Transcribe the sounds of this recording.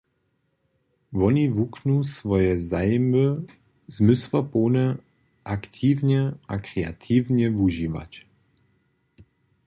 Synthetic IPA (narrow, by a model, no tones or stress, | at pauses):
vɔnivuknusvɔjɛzajmə | zmʏsvɐpoːnɛ | ʔakt̪ʰiːvɲɛʔakɾɛa̰t̪ʰiːvɲɛvuʒiva̰t͡ɕ